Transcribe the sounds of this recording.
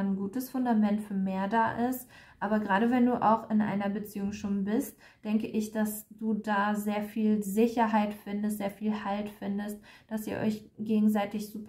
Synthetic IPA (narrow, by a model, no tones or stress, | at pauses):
nɡuːtəsfʊndamɛntfyːɐmeːɐdaːʔɪstʔaːbɐɡʁaːɾəvɛnduːʔa̰ʊxɪnʔa̰ɪnɐbət͡siːʊŋʃoːnbɪst̚ | d̥ɛŋkəʔɪçd̥asd̥uːdaːzeːɐfiːlzɪçɐɦaɪtfɪndəstz̥eːɐfiːlhaltfɪndəst̚d̥asiːɐʔɔ̰ʏçɡ̥eːɡŋ̩zaɪtɪçz̥uːp